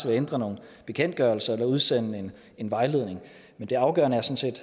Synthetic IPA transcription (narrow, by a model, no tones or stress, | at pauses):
ʋeend̥ʁɐno̝ːn̩b̥e̝kʰen̰d̥̚ɡ̥ɶɐl̩sɐelɐuð̞ˠsenəe̝n | e̝nʋɑ̈ɪle̝ð̞̰ˠne̝ŋ | mend̥e̝ɑ̈ʊɡ̥ɶːɐnəæɐsɒ̽n̩se̝̰ːd̥